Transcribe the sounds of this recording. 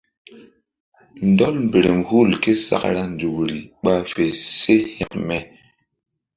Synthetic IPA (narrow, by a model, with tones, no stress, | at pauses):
n˨˦dɔ˦lm˨be˨ɾe˨mhu˦˨lke˦sa̰˦kɾa˦n˨d͡zu˨kɾi˨ɓa˦fe˨se˦hja̰˦kmɛ˦˨